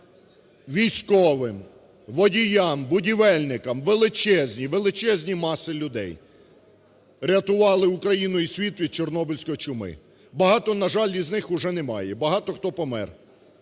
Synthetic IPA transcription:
ʋʲijsʲkɔʋɪm | ʋɔdʲijɑmbʊdʲiʋɛlʲnɪkɐmʋelˠɪt͡ʃɛzʲnʲiʋelˠɪt͡ʃɛzʲnʲimɑsɪlʲʊd̪ɛ̰j | ɾʲɐt̪ʊʋɑlˠɪʊkɾɐjinʊisʲʋʲit̪ʋʲid̪̚t͡ʃernɔbɪlʲsʲkɔɔt͡ʃʊmɪ̰ | bɐɦɑt̪ɔnɐʒɑlʲiznɪxʊʒɛnemɑjɛbɐɦɑt̪ɔxt̪ɔpɔmɛ̰r

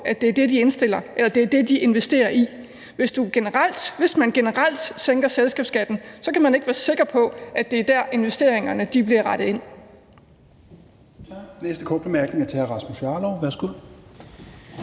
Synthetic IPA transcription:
æd̥e̝æɐd̥e̝d̥ie̝nsd̥e̝l̰ɐʔelɐd̥e̝æɐd̥e̝d̥iʔe̝nʋesd̥e̝̰ːɐʔi | ʋe̝sd̥uɡ̥e̝nəʁɑl̰d̥ʋe̝smænɡ̥e̝nəʁɑl̰d̥seŋɡ̥ɐselsɡ̥ɛ̰ːb̥sɡ̥æd̥n̩sɒ̽kæmæne̝ɡ̥ʋæːɐse̝ɡ̥ɐpʰɒ̽ʔæd̥e̝æɐd̥æɐ̰e̝nʋesd̥e̝̰ɐ̰eŋɐnəd̥ib̥liɐʁɑ̈ɾ̥ð̩ˠe̝n̰ | t͡sʰnesd̥əkʰɒ̰ːd̥̚b̥emæɐɡ̥ne̝ŋɐt͡sʰehæɐʁɑ̈smosɑ̈ːlɒʊʋæɐsɡ̥uð̰ˠ

